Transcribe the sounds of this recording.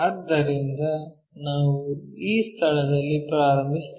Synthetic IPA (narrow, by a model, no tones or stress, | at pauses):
ɐd̪ːɐɾind̪ɐ | naːʋuiːst̪ʰɐɭɐd̪ɐlːipɾaːɾɐmbʱist̪